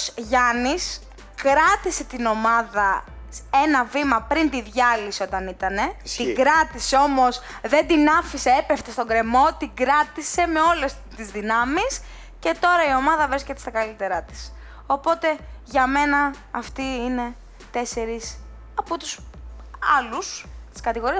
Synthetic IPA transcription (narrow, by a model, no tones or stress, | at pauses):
sʝɐnis | kɾɐt̪ise̞t̪ino̞mɐðɐ | e̞nɐvimɐpɾint̪iðʝɐlisio̞t̪ɐnit̪ɐne̞iɡɾɐt̪iseo̞mo̞s | ðe̞nd̪inɐfise̞epeft̪est̪o̞ŋɡɾe̞mo̞t̪iɡɾɐt̪ise̞me̞o̞le̞s | t̪izðinɐmis | ce̞t̪o̞ɾɐio̞mɐðɐvɾiscet̪est̪ɐkɐlit̪e̞ɾɐt̪i̥s | o̞po̞t̪e̞ʝɐme̞nɐː | ft̪iine̞ | t̪e̞se̞ɾis | ɐput̪us | ɐlust̪i̥skɐt̪iɣo̞ɾiɐ